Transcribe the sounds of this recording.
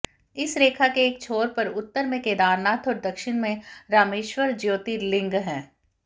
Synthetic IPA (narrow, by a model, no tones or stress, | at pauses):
ɪsɾeːkʰakeːk̚t͡ʃʰoːɾpɐɾʊt̪ːəɾmẽkeːd̪aːɾnaːt̪ʰɔːɾd̪ɐkʃɪnmẽɾaːmeːʃwəɾd͡ʒjoːt̪ilɪ̃ŋɡɦɛ̃ː